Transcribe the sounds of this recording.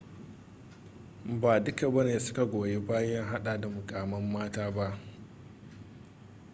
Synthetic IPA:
baː˨dʊ˦ka˨bɐ˦neː˨sʊ̥˦ka˨ɡʷoː˨je˦baː˦jɐ˦ŋɦa˦ɗaː˨da˨mʊ˨kʼaː˨mɐ˦mːaː˦taː˦ba˦ʔ

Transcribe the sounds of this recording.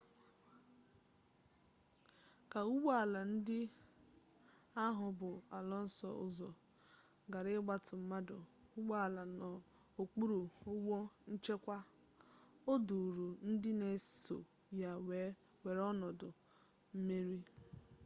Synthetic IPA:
ka˨u˦ɡ͡ba˨la˨n̩˦dɪ˦ | a˦ɦʊ˨bʊ˨a˨lɔ˦n̩˦sɔ̰˨ʊ̰˦zɔ˨ | ɡa˨ɾɪ˦ɡ͡ba˦tʊ˨m̩˦ma˦dʊ˨u˦ɡ͡ba˦a˨la˨nɔ˨ | o˨k͡pu˦ɾu˨ʊ˦ɡ͡bo˦n̩˦t͡ʃe˦kʷa˦ | o˦du˨ɾo˨n̩˦dɪ˦ne˨so̰˨ | ja˨we˨ | we˨ɾɔ˦nɔ˨dʊ˨ | m̩˦me˦ɾi˦

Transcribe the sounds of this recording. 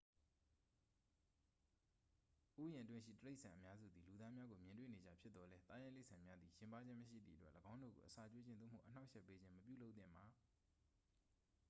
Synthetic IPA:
ʔu˦jɪ̃˨ʔətwɪ̃˦ʃḭ˦˨təɹe˦ɪʔsʰã˨ʔəmja˦zṵ˦˨d̪ði˨lu˨d̪a˦mja˦ɡo˨mjɪ̃˨ntwḛ˦˨ne˨d͡ʑa̰˦˨pʰjɪ˦t̪t̪ːɔ˨lɛ˦t̪a˦jã˦le˦ʔsʰã˨mja˦d̪ði˨jɪ̃˨mpa˦d͡ʑɪ̃˦məʃḭ˦˨d̪ðḭ˦˨ʔətwɛ˦ʔləɡã˦ʊ̃ndo̰˦˨ɡo̰˨ʔəsa˨t͡ɕwe˦d͡ʑɪ̃˦no̰˦˨m̥ṵ˦˨ʔəna˦ʊʔʃɛ˦˨pːe˦d͡ʑɪ̃˦məpjṵ˦˨lo˦ʊt̪θɪ̰̃˦˨mba˨

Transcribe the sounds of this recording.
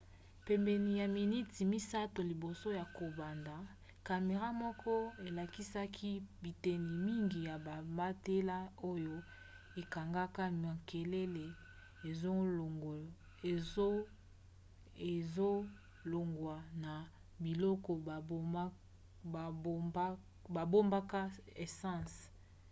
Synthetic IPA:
pe˨mbe˨ni˨ja˨mi˨ni˦ti˨mi˦sa˦to˨li˨bo˨so˦ja˨ko˨ba˨nda˨ | ka˨me˨ʁa˦mɔ˦kʰɔ˦e˨la˨ki˦sa˦kʰi˦bi˨te˨ni˨mi˦ŋɡi˨ja˨ba˨mba˦te˦la˦o˦jo˦ | e˨ka˨ŋɡa˦ka˦ma˨ke˨le˦le˨ | e˨zo˦˨˦ | e˨zo˦ | lo˨ŋɡwa˨na˨ | bi˨lɔ˦kɔ˨˦˨ | ba˨bo˦mba˦ka˦e˨sã˦˨s

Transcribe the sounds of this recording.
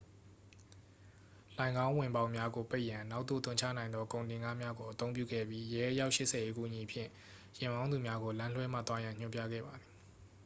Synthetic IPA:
lã˨ɪ̃ŋɡã˦ʊ̃wɪ̃˨mbã˦ʊ̃mja˦ɡo˨pe˦ɪʔjã˨na˦ʊʔt̪ːo̰˦˨t̪ʰʊ̃˦˨t͡ɕʰä̰˦˨nã˨ɪnd̪ðɔ˦kõ˨ʊ̃ndɪ̃˨ŋɡa˦mja˦ɡo˨ʔət̪õ˦ʊ̃pjṵ˦˨ɡɛ̰˦˨bji˦jɛ˦ʔəja˦ʊʔʃɪ˦ʔsʰɛ˨e˦kṵ˦˨əɲi˨pʰjɪ̰̃˦˨ | jɪ̃˨mbã˦ʊ̃nu˨mja˦ɡo˨lã˦lwɛ˦m̥a̰˦˨t̪wa˦jã˨ɲ̥ʊ̃˦mpjä̰˦˨ɡɛ̰˦˨ba˨d̪ði˨

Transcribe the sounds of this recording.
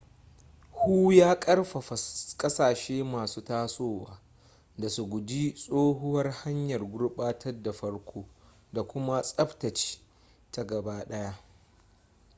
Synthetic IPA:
huː˦jaː˦kʼɐ˦rɸa˨ɐ˨kʼɐ˦saː˨ʃeː˦maː˨suː˦taː˦soː˦˨waː˨ | da˨su˨ɡʷʊ˨di˦sʼoː˦ɦʊ˦wɐ˦rha˦ɲjɐ˨rɡʷʊ˦ɽɓaː˦tʰɐ˦rda˨ɸɐ˦ɽkʷʰoː˦ | da˨kʷʊ˦ma˦sʼɐ˦btɐ˨t͡ʃi̥˦ | ta˨ɡɐ˨baː˦ɗɐ˦ja˦ʔ

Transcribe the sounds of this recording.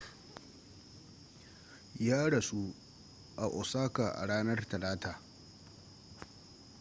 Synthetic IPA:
jaː˦ɽɐ˨su˦ | ʔa˨ʔɔ˨saː˦kaː˨ʔa̰˨ɽaː˦nɐ˦rtɐ˨laː˦taː˨

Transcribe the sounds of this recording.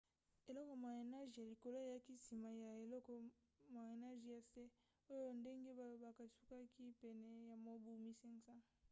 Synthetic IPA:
e˨lɔ˦kɔ˨ma˨e˨na˦ʒja˨li˨ko˨lo˦ja˦ki˦si˨ma˨ja˨e˨lɔ˦kɔ˨ | ma˨e˨na˦ʒja˨se˦ | o˦jjo˦nde˦ŋɡe˦ba˨o˨ba˨ka˨su˦ka˦ki˦pɛ˨nɛ˨ja˨mo˦bu˨mi˦sɛ˦ŋsa˦

